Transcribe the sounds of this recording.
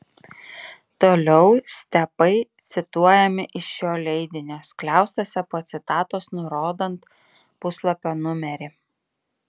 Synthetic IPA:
t̪oːlʲɛʊsʲt̪ʲɛpɐɪt̪sʲɪt̪uɔjɛmʲɪʔɪʃjoːlʲɛɪd̪ʲɪnʲoːsklʲæˑʊst̪oːsʲɛpoːt̪sʲɪt̪ɑːt̪oːsnʊɾoːd̪ɐnt̪ | pʊslˠɐpʲoːnʊmʲɛɾʲɪ

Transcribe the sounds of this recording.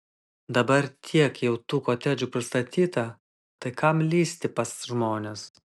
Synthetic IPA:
d̪ɐbɐɾt̪ʲʰiɛkjɛʊt̪uːkoːt̪ʲæd͡ʒʲuːpʲɾʲɪst̪ɐt̪ʲiːt̪ɐ | t̪ɐɪkɐmlʲiːsʲt̪ʲɪpɐsʒmoːnʲes

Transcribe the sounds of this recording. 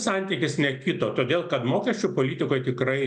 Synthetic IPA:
sɐnʲt̪ʲiːkʲɪsnʲɛkʲɪt̪oːt̪oːd̪ʲeːlˠkɐt̪moːkʲɛsʲt͡ʃʲʊpoːlʲiːt̪ʲɪkoːjt̪ʲɪkɾɐɪ

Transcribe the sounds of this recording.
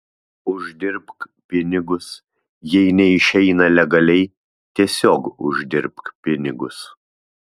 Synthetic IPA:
ʊʒʲd̪ʲɪɾpkpʲɪnʲɪɡʊs | jɛɪnʲɛɪʃʲɛɪnɐlʲɛɡɐlʲɛɪ | t̪ʲiɛsʲoːkʊʒʲd̪ʲɪɾpkpʲɪnʲɪɡʊs

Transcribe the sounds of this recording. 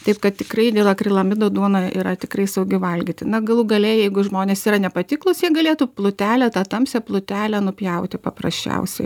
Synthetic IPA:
t̪ɐɪpkɐt̪tʲɪkrɐɪd̪ʲeːlˠɐkɾʲɪlˠɐmʲɪd̪oːd̪uɔnɐḭɾɐt̪ʲɪkrɐɪsɐʊɡʲɪʋɐlʲɡʲɪt̪ʲɪnɐɡɐlˠuɡɐlʲɛɪjɛɪɡʊʒmoːnʲeːsiːrɐnʲɛpɐt̪ʲɪklˠʊsjɛɡɐlʲeːt̪uplˠʊt̪ʲæːlʲɛt̪ɑt̪ɐmʲsʲɛplˠʊt̪ʲæːlʲɛnʊpʲjɛʊt̪ʲɪpɐprɐ̰sʲt͡ʃʲɛ̰ʊsʲɛ̰ɪ

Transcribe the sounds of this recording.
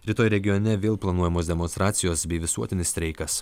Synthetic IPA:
ɾʲɪt̪oːjɾʲɛɡʲɪjonʲɛʋʲeːlˠplˠɐnuɔjɛmoːsd̪ʲɛmɔnst̪ɾɑːt̪sʲɪjoːsbʲɛɪʋʲɪsuɔt̪ʲɪnʲɪsʲɾʲɛɪkɐs

